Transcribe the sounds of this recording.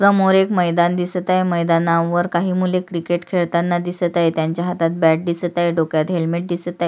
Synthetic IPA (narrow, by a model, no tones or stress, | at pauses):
səmoɾekməjd̪and̪isət̪ajeməjd̪anaʋəɾkaɦiːmulekɾikeʈkʰeɭt̪anːad̪isət̪ajet̪jaɲt͡ɕjaɦat̪at̪̚bæʈ̚d̪isət̪ajeɖokjat̪ɦelmeʈ̚d̪isət̪aj